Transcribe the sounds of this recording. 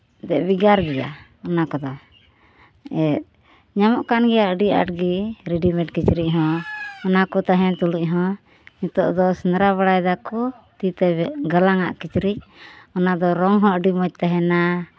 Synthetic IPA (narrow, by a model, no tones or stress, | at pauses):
d̪ɛʔbiɡaɾɡɛja̰ | ɔnakɔd̪ɔ | ɛt̪̚ | ɲamɔʔkanɡɛjaʔɖia̰ʈɡiɾiɖimɛ̃ʈkit͡ʃɾic̚ˀɦɔ̃ɔnakɔt̪aɦɛ̃t̪ulic̚ˀɦɔ̃ | ɲut̪ɔʔd̪ɔsnɾaβaɽajd̪akɔ | t̪it̪ɛɡəlaŋa̰ʔkit͡ʃɾic̚ɔnad̪ɔɾɔŋɦɔ̃ʔɖimɔc̚t̪aɦɛna